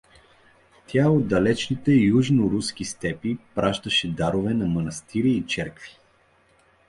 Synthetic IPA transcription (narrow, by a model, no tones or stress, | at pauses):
t̪ʰʲaod̪ɐlɛt͡ʃnit̪ɛjuʒnoɾusk̟ist̪ɛpipɾʔaʃt̪əʃɛd̪aɾovɛnɐmɐnɐst̪iɾiːt͡ʃɛɾkvi̥